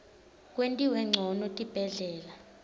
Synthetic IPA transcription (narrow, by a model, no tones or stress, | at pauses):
k̬ʼwentʼiwɛŋ͡ǀʱɔnɔtʼib̥ʱɛɮɛːla